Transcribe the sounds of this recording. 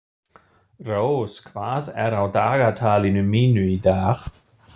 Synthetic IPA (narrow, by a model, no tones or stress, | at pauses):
rowskʰv̥aːðɛɾawdaɣatʰalinuminwidaːχ